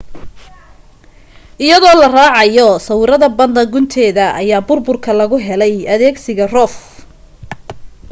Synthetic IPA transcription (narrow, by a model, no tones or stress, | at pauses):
ʔɪjɐðɔːlɐraːʕɑjɔsɐwɪɾɐðɐbɐnd̪ɐŋɡʊnt̪ʰɛːðɐʔɐ̰jaːbʊrbʊrkʰɐlɐɣʊɦɛlɛjɐðɛːɡsɪɣɐrɔːf